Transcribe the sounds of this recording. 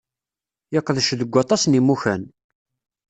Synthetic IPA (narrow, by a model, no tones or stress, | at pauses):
jəqːəðʃðəɡʷːɑt̪ˤɑsnimuçæn